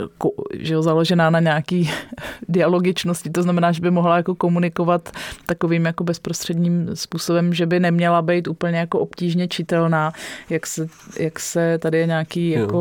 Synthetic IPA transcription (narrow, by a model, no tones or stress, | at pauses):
koʒɛjozalo̞ʒɛnaːnaɲɛaːkiːdɪalo̞ɡɪt͡ʃno̞scɪt̪oznamɛnaːʒɛbɪmo̞ɦlajako̞ko̞munɪko̞vat̪ːako̞viːmjako̞bɛspɾost̪r̥ɛdɲiːmspuːsobɛmʒɛbɪnɛmɲɛlabɛjt̪uːpl̩ɲɛjako̞ʔopciːʒɲɛt͡ʃɪt̪ɛlnaːjaksɛjaksɛt̪adɪjɛɲaːkiːjako